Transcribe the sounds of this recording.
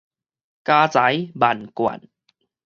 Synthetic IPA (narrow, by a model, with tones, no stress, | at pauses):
kaː˧t͡sa˨˩˦jba˨˩nkwa̰˨˩n